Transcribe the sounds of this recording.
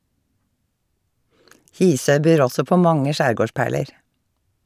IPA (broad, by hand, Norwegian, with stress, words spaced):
ˈhiːˌsœʏ ˈbyːɾ ˈɔsɔ ˈpoː ˈmɑŋə ˈʃæːɾˌɡoːˌʃpæːɭəɹ